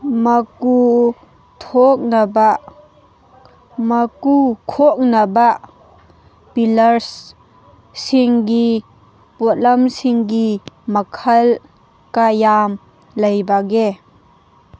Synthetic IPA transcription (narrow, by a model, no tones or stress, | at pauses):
mɐku | t̪ʰɔk̚nɐbaʔ | mɐkukʰɔk̚nɐbaʔ | pilɐɾs | siŋɡi | pɔt̚lɐmsiŋɡimɐkʰɐl | kajam | lɐjbaɡe